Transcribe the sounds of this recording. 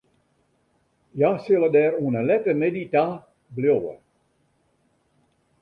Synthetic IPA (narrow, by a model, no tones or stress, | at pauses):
jasɪlˠədɛːɾuənəlɛtənɛdita | bljowə̰